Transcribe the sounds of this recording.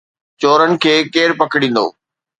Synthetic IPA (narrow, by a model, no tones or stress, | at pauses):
t͡ɕoːɾənɪ̆kʰeːkeːɾpɐkɪɽĩːn̆d̪o̰ː